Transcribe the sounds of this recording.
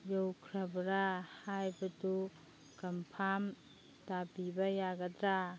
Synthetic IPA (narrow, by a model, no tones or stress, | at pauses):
jɔwkʰɾabɾahajbɐtu | kɐmpʰam | tapibajaɡɐdɾa